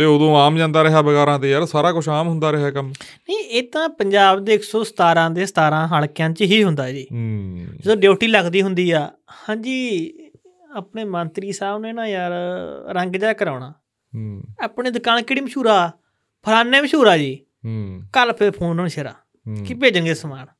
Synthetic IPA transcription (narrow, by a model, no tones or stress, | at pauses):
t̪eːoːd̪õːaːmd͡ʒãːnd̪aːɾəɦaːbəɡɛːɾãːt̪eːjaːɾsaːɾaːkʊʃʰaːmɦʊnd̪aːɾɪɦaːkəm | nəiʔeːt̪ãːpəɲd͡ʒaːbd̪eːɪksoːsə̥t̪aːɾãːd̪eːsət̪aːɾãːɦaɭkɪjãːt͡ʃɦiːɦʊnd̪aːd͡ʒiːd͡ʒ̪õːɖeːʈiːləɡd̪iːɦʊnd̪iːɛː | hãːɲd͡ʒiː | aːpɳeːmənt̪ɾiːsaːbneːnãːjaːɾɾə̃ŋɡd͡ʒaːkəɾaːʊɳaː | aːpɳeːd̪ʊkaːnkɪːɽiːməʃuːɾaː | pʰəɾaːnːeːməʃuːɾaːd͡ʒiː | kəlpʰɪɾpʰoːnəɳʃəɾa̰ː | kipeːd͡ʒənɡeːsmaːn